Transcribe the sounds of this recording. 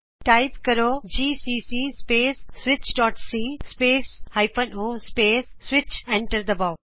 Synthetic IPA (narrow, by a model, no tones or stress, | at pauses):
ʈaɪpkɐɾoːd͡ʒiːsiːsispeːsːʋɪt͡ʃɖɔːʈsiːspeːshaɪpʰənoːspeːsːʋɪt͡ʃẽɳʈəɾd̪ɐbaʊ